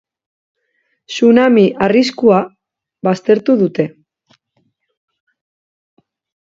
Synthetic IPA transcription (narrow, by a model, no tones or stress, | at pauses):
sunamiʔariskua | βast̪e̞ɾt̪uðut̪e̞